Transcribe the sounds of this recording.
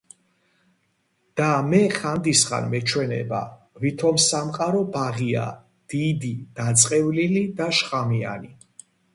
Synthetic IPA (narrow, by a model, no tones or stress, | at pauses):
d̪̥amɛχand̪isχa̰nmɛt͡ʃʰwɛnɛ̰ba̰ | vit̪ʰɔmsamqʼaɾɔbaʁia̰ | d̪̥id̪id̪̥at̪sʼqʼɛvlilid̪aʃqʼamia̰ni